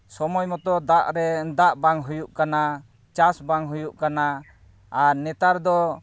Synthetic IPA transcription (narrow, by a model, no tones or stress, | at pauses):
sɔmɔjmɔt̪ɔd̪aʔɾɛnd̪aʔbaŋɦujuʔkana | t͡ʃasbaŋɦujuʔkanaː | ɾnɛt̪aɾd̪ɔ